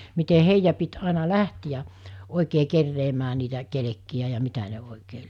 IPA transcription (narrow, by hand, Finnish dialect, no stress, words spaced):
mite heijːæ pit ɑˑinɑ læhtijæ oˑikeː kerːeːmæː niːtæ kelekːiæ jɑ mitæ ne oˑikeː